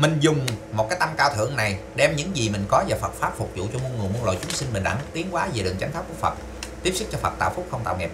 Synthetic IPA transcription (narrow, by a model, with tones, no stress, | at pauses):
mï˨˩ŋ̟zʊ˨˩ŋ͡mmo˨˩kaː˨˦jt̪a˧mkaː˧wt̪ʰɨ̰˧˨əŋna˨˩jɗɛ˧mɲɨ̰˧˥ŋzi˨˩mï˨˩ŋ̟kɔ˨˦zaː˨˩fə˨˩t̚faː˦˥p̚fʊ˨˩k͡p̚zṵ˧˨t͡ɕɔ˧mu˧ənŋɨ˨˩mu˧əlo̰˧˨jt͡ɕʊ˨˦ŋ͡msï˧ŋmï˨˩ŋ̟ɗa̰ː˧˥t̪i˨˦ənkwaː˨˦ve˨˩ɗɨ˨˩əŋt͡ɕa˨˦ŋ̟fʰaː˦˥p̚ku˧˩əfə̰˨˩k͡p̚ | t̪i˦˥əp̚sɨ˦˥k̚t͡ɕɔ˧fə˨˩t̪a̰ː˧˨wfʊ˦˥k͡p̚xə˧wŋ͡mt̪a̰ː˧˨wŋɛ̰˨˩p̚